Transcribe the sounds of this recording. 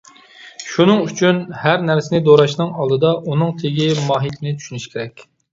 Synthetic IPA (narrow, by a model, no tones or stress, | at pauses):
ʃunɨŋyt͡ʃʰynhæɾnæɾsɪnɪd̪oɾɑʃnɨŋɑlˠd̪ɨd̪ɑʔunɨŋt̪ʰeɡʲimɑːɦit̪ʰɪnɪt͡ʃ̪ʰy̥ʃynyʃkʲʰeɾɛkʲ